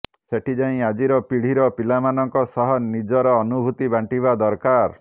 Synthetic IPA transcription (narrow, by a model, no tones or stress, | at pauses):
seʈʰid͡ʒaĩad͡ʒiɾɔpiɽ̤iɾɔpilamanɔŋkɔsɔɦɔnid͡ʒɔɾɔːnubʱut̪ibaɳʈiβad̪ɔɾkaɾ